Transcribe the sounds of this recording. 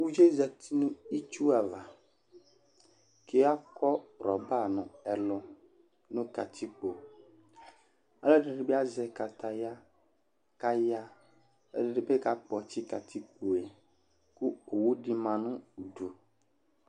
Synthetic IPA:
wu˦d͡ʒe˦za˨t̪ʰi˦nʊ̃˦i˦t͡ʃu˦a˨va˨ | ke˨˦a˦kɔ˦˨ɾɔ˨ba˦˨nʊ̃˨ɛ˨lʊ˨ | nʊ̃˦ka˨t̪ʰi˦k͡po˨ | a˦lɔ˦dɪ˨ɖɪ˨˦bɪ˦a˦zɛ˨ka˨t̪ʰa˨ja˦ | ka˦ja˦ | dɪ˨dɪ˨be˦ka˦k͡pɔ˨t͡ʃɪ˦ka˨t̪ʰi˦k͡po˨e˨ | kʊ˦o˨wu˦dɪ˦mã˨nʊ̃˦u˨do˨

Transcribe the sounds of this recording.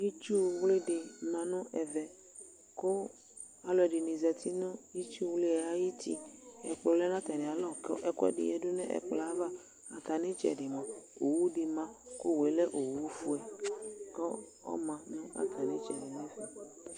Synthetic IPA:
ji˦t͡ʃu˦wle˦dɪ˨mã˨nʊ̃˦ʔɛ˨vɛ˨ | ko˦ | a˨lɔ˨ɛ˨ɖɪ˨nĩ˨zɛ˨t̪ʰi˦nʊ̃˦i˦t͡ʃu˦wle˦ɛ˨a˦ji˦t̪ʰḭ˦ɛ˨k͡plɔ˨lɛ˦nã˦t̪a˨nĩ˨a˨lɔ˦kɔ˦ʔɛ˨kɛ̰˦dɪ̰˨ɛ˨dʊ˦nɛ̰̃˦ʔɛ̰˨k͡pla˨˦va˦ | a˨t̪a˨nẽ˦t͡ʃɛ̰˨dɪ˨mã˨o˨wu˦dɪ˨mã˦ko˦we˨˦lɛ˦ʔo˨wu˦fu˦ɛ˨kɔ˦ɔ̰˦mã˨nʊ̃˦a̰˨t̪ʰa˨nẽ˦t͡ʃɛ˨dɪ˨nɛ̃˦fu˨

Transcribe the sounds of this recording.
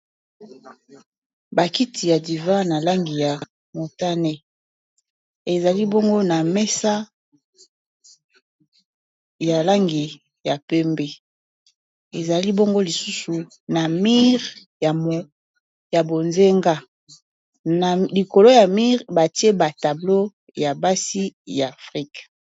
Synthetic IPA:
ba˨ki˦tʰi˨ja˨di˨va˦na˨la˦ŋɡi˨ja˨ | mo˨ta˦ne˦ | e˨za˨li˦bo˦ŋɡo˦na˨mɛ˦sa˦ | ja˨la˦ŋɡi˨ | ja˨pɛ˦mbe˨ | e˨za˨li˦bo˦ŋɡo˦li˨su˦su˨ | na˨mi˦ʁ | ja˨m˨ | ja˨bo˨nze˦ŋɡa˦ | na˨li˨ko˨lo˦ja˨mi˦ʁba˨ti˦e˦ba˨ta˨blo˦ | ja˨ba˦si˦ja˨fʁi˦k

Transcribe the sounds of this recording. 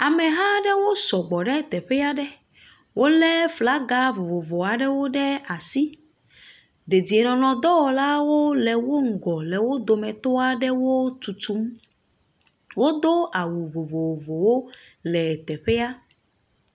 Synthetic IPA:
a˨mɛ˨ɦã˦ɖɛ˦wo˦sɔ˨ɡ͡bɔ˨ɖɛ˦˨t̪ɛ˨ɸɛ˦a˦ɖɛ˦ | wʔo˦lɛ˦fla˦ɡa˦vo˨vo˨vɔ˨a˨ɖɛ˦wo˦ɖɛ˦a˨si˦ | d̪e˨di˨e˨nɔ̃˨nɔ̃˨d̪ɔ˦wɔ˨la˦wo˦lɛ˨wo˦ŋ̩˨ɡɔ˨lɛ˨wo˦d̪o˨mɛ̃˨t̪ɔ˦a˦ɖɛ˦wo˦t̪u˨t̪u˦m | wo˦d̪o˦a˨wu˨vo˨vo˨vo˨wo˦lɛ˨t̪ɛ˨ɸe˦a˦

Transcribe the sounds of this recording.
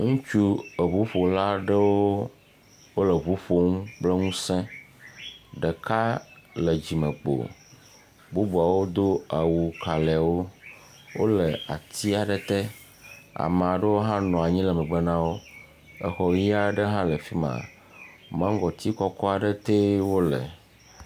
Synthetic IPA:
ŋũ˦t͡ʃu˦ə˨βu˨˦ɸo˨la˦ɖə˦wo˦ | wo˦le˨βu˨˦ɸo˨ŋũ˦k͡ple˦ŋũ˦sɛ̃˦ | ɖe˨ka˦le˨d͡ʑi˨mə̃˨k͡po̰˨ | bu˦bu˨a˨wo˦d̪o˦a˨wu˨ka˨le˨wo˦ | wo̰˦le˨a̰˨t̪i˦a˨ɖe˦t̪e˦ | a̰˨me˨a˨ɖə˦wo˦ɦã˦nɔ̃˨a˨ɲĩ˦lɛ˨mɛ̃˨ɡ͡be˦nã˦wo˦ | ɛ˦xɔ˨ɣi˦a˦ɖə˦ɦã˦le˨fi˦mã̰˨ | mã˦ŋ˦ɡɔ˨t̪i˦kɔ˦kɔ˦a˨ɖe˦t̪e˦wo˦lḛ˨

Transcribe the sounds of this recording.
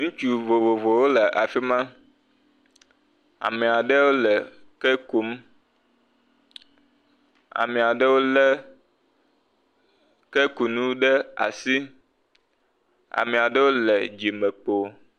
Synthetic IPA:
ŋũ˦t͡ʃu˦vo˨vo˨vo˨wo˦lə˨ʔa˨fi˦mã˦ | a̰˨mẽ˨a˨ɖə˦wo˦lə˨ | kɛ˦ku˨˦m˦ | a̰˨mẽ˨a˨ɖə˦wo˦lə˦ | ke˦ku˨nũ˦ɖə˦a̰˨si˦ | a̰˨mẽ˨a˨ɖə˦wo˦lɛ˨d͡ʒi˨mə˨k͡po˨

